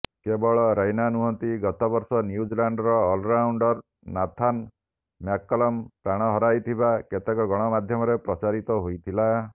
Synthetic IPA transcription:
kebɔɭɔɾajnanuɦɔnt̪iɡɔt̪ɔbɔɾsɔnjud͡ʒilaɳɖɔɾɔːlɾawɳɖɔɾ | nat̪ʰan | mjakːɔlɔmpɾaɽ̃ɔɦɔɾajt̪ʰibaket̪ekɔɡɔɽ̃ɔmad̪ʱjɔmɔɾepɾɔt͡ʃaɾit̪ɔɦojt̪ʰila

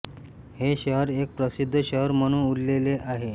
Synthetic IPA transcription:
heɕəɦəɾek̚pɾəsid̪ʱːɕəɦəɾm̤əɽ̃ũuɽleleʔaɦe

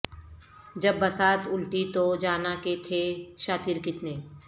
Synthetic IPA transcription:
d͡ʒɐbːɐsaːt̪ʊlʈit̪od͡ʒaːnaket̪ʰeʃaːt̪ɪɾkɪt̪neː

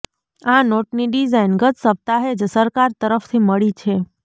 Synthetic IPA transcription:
anoʈniɖizainɡət̪səp̚t̪aɦed͡ʒsəɾkaɾt̪əɾəft̪ʰiməɭit͡ʃʰe

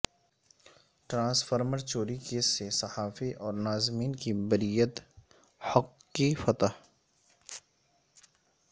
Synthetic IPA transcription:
ʈɾãːsfəɾməɾt͡ʃoːɾikesesɐhaːfiʔɔːɾnaːzmiːnkibəɾiːjət̪ | hʊqːifɐt̪a

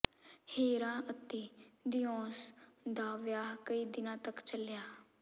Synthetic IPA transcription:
heːɾãːət̪eːd̪ɪjɔ̃ːsd̪aːʋjaːkəiːd̪ɪnãːt̪əkt͡ʃəljaː

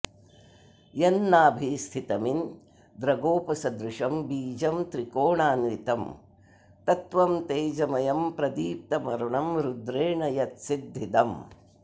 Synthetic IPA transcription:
jɐnːaːbʱiːst̪ʰit̪ɐmin | d̪ɾɐɡoːpɐsɐd̪ɾɪʂɐmbiːd͡ʒɐmt̪ɾikoːɳaːnʋit̪ɐm | t̪ɐt̪ʋɐmt̪eːd͡ʒɐmɐjɐmpɾɐd̪iːp̚t̪ɐmɐɾuɳɐmɾud̪ɾeːɳɐjɐt̪sid̪ʱːit̪ɐm

